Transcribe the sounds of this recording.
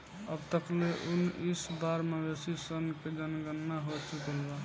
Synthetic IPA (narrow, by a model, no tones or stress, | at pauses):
əbt̪əkleʔunisbaɾmebesisənked͡ʒənɡənːaɦot͡ʃukəlba